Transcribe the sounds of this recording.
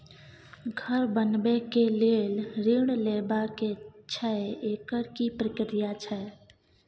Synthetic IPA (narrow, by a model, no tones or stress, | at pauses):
ɡʱəɾbənbekelelɾiɳleːbaket͡ʃʰɛeeːkəɾkipɾəkɾijat͡ʃʰəe